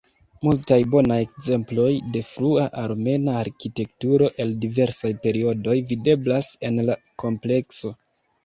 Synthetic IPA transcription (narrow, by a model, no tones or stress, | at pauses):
multajbo̞naje̞kze̞mplo̞jde̞fɾuaʔaɾme̞naːɾkite̞k̚tuɾo̞ʔe̞ldive̞ɾsajpe̞ɾio̞do̞jvide̞blase̞nla | ko̞mple̞kso̞